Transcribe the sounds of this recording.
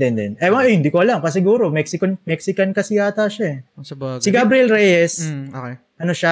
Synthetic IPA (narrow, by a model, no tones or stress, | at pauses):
d̪ɛnd̪ɛnʔɛwɐʔhɪnd̪iːkoɐlɐŋkɐs̬ɪɡuːɾo̞mɛksɪkɐnmɛksɪkɐnkɐsɪjaːt̪aʃaɛsɪɡabɾɪɛlɾɛjɛso | ʔɐnoʃa